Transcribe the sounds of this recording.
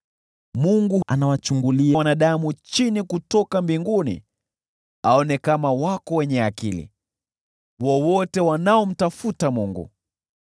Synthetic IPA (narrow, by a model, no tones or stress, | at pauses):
muŋɡuanawat͡ʃuŋɡuliawanaɗamut͡ʃinikutɔkambiŋɡunḭ | aɔnɛkamawakɔwɛɲɛakilḭ | wɔwɔtɛwanaɔm̩tafutamuŋɡṵ